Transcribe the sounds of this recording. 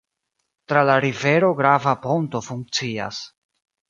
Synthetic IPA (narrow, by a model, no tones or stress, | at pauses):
tɾalaɾive̞ɾo̞ɡɾavapo̞nto̞fuŋk̚t͡sia̰s